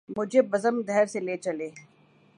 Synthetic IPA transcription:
mʊd͡ʒʱebɐzəmɡ̪ɛɾseleːt͡ʃɐleː

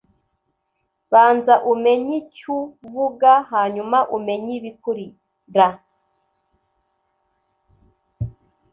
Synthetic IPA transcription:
βaːnzaʔume̞ɲicuvuɡaɦaɲumaʔume̞ɲiβikuɾi | ɾa

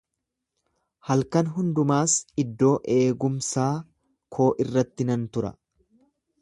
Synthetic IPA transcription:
hɐlkɐnɦʊnd̪ʊmaːsɪd̪ːo̞ːʔe̞ːɡʊmsaː | kʰo̞ːʔɪrːɐt̪ːɪnɐnt̪ʊɾɐ̰

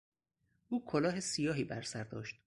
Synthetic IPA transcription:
ʔuːkʰolɒːɦesijɒːɦiːbæɾsæɾd̪ɒ̰ːʃt̪̚

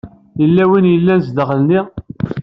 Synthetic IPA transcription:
jəlːæwinjəlːænzd̪əʁəlni

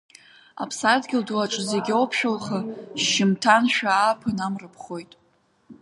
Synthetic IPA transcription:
a̰pʰsadɡʲɪlduaʈ͡ʂʼzeɡʲowpʰʃᶣolχaʃɪmtʰanʃᶣaːpʰɨnamrɨpʰχo̞jtʼ

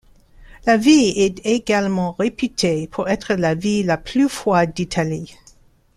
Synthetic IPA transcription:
laviɛt̪eɡalmɑ̃ʁepyt̪ʰepʰuʁɛt̪χəlavilapʰlyfwad̪it̪ʰali

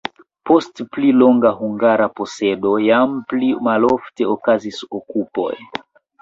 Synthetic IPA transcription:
po̞stplilo̞ŋɡaɦuŋɡaɾapo̞se̞do̞jamplimalo̞fte̞okazisokupo̞̰j

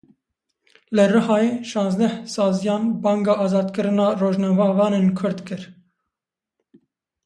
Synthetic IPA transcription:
lɨrɨɦɑːjeːʃɑ̃ːnzd̪ɛhsɑːzijɑːnbɑːŋɡɑːʔɑːzɑːd̪kɨɾɨnɑːroːʒnɑːvɑːvɑːnenkʰʊɾd̪kɨɾ

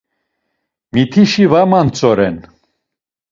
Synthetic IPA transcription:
mit̪ʰiʃivamant͡sʼɔɾɛn

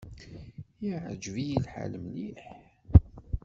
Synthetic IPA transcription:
iʕə̰d͡ʒvijilħa̰lmliħ

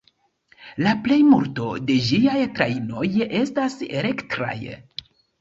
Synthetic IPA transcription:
laple̞jmuɾto̞de̞ʒiajtɾaino̞je̞staseɾe̞ktɾa̰j

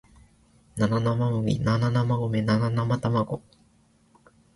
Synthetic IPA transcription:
nananamamomʲḭnananamaɡomenananamat̪amaɡo

